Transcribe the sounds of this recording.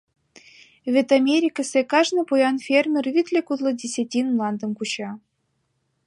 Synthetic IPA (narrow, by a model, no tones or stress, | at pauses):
vʲet̪amʲeɾʲikəsʲekɑʐnɤpujɑnfʲermʲervʲit̪lʲekut̪lˠɤ̆dʲesʲatʲinmlˠɑnd̪ɤ̆mkut͡ɕɑ